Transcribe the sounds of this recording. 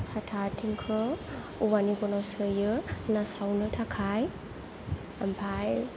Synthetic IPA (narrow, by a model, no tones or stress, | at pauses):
satʰatʰiŋkʰɾɔ | uwaniɡɔnawsɯjɯnasawnɯtʰakʰaj | ampʰaj